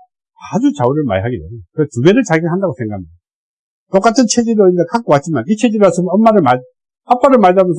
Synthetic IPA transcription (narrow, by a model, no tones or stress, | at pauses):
ad͡ʑut͡ɕauɾɯɭma̰jɦaɡideɲajokɯɾetuɡeɾɯɭt͡ɕaɡiɦandaɡosʰeŋɡa | tok͈atʰɯnt͡ɕʰed͡ʑeɾɯʌndakʰak͈owat͡ɕ͈imanit͡ɕʰed͡ʑeɾɯasʰɯmʌmːaɾɯɭmaɭ | ap͈aɾɯɭmaɭdamjʌnsʰ